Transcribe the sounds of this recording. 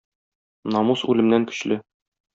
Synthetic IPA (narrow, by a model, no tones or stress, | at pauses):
nɒmusʉlɘ̆mnæŋkɵ̥̆ɕlɘ